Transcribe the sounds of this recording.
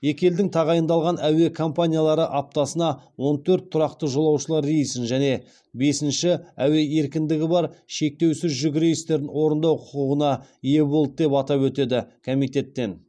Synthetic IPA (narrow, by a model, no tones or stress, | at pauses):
je̞kʲe̞ld̪ɪŋt̪ʰɑʁɑjənd̪ɑlˠʁɑnæwe̞kʰo̞mpanʲijalˠɑɾəʔap̚t̪ɑsənɑwo̞nt̪ʰɵɾt̪ʰːʊɾɑqt̪əʒo̞lˠɑwʃəlˠɑɾejsɪnʒæne̞ | be̞sɪnʃɪæwe̞e̞ɾkʲɪnd̪ɪɡʲɪbɑɾʃe̞k̚t̪e̞wsɪzʒʏɡʲɪɾejɪst̪e̞ɾd̪ɪnwo̞ɾənd̪ɑwqʰʊ̥quʁənɑije̞bo̞lˠd̪əd̪e̞pɑt̪ɑpwɵt̪e̞d̪ɪkʰo̞mijt̪e̞t̪ːe̞n